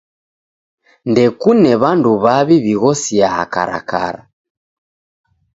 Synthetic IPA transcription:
ndɛkunɛβanduβaβiβiɣɔsiaa̰ka̰ɾa̰ka̰ɾa

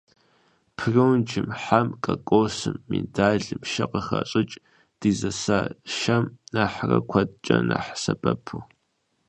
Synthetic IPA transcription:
pʰɨrɨwnd͡ʒɪmħamkʼɐkʼoːsɨmːindaːɮɨmʃɐqəχɐɕʼɨt͡ʃʼ | d̥iːzɐsaːʃɐmnaːħrɐkʷʰɐtʼt͡ʃʼɐnaħsɐbʼɐpʰuw

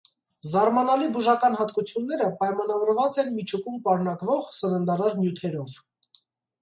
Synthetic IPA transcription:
zɑɾmɑnɑlibuʒɑkɑn̪ɦɑt̪kut͡sʰjunːɛɾəpɑjmɑnɑvɔɾvɑt͡sɛnmit͡ʃʰukʰumpɑɾnɑkvɔʁsəɾənd̪ɑɾɑɾnjut̪ʰɛɾɔv

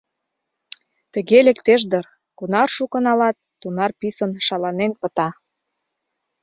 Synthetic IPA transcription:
t̪ə̆ɣelekt̪eʒd̪ər | kunɑrʃukə̆nɑlɑt̪ːunɑrpisənʃɑlɑnenpə̆t̪ɑ

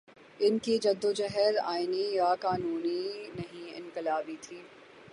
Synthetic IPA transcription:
ɪnkid͡ʒɐd̪ːod͡ʒɛɦɛɾa̰ːɪnijakaːnuːninɐɦĩɪ̰̃nkɪlaːbit̪ʰiː

